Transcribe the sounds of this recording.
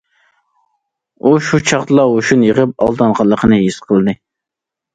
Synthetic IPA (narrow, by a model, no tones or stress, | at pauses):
uʃut͡ʃʰɑχt̪lˠɑoʃunjəʁəp̚ɑ̰lˠd̪ɑnʁɑlˠːəqʰənɨɦisqʰəlˠɨd̪ɨ